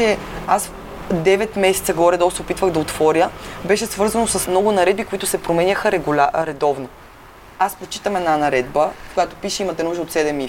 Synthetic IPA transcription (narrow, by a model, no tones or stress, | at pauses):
ɛ | as | d̪ɛvɛt̪mɛsɛt̪səɡɔɾɛd̪ɔsɛopit̪vəɣd̪ɐot̪vɔɾʲjəbɛʃɛsvɤɾzɐnosɐsmnɔɡʊnɐɾɛd̪̚bikoit̪ʊsɛpɾomɛnʲəxəɾɛɡlʲaɾɛd̪ɔvno | aspɾot͡ʃi̥t̪əmɛd̪nanɐɾɛd̪̚bəkojat̪opiʃəimɐt̪ɛnuʒd̪əot̪sɛd̪ɛmi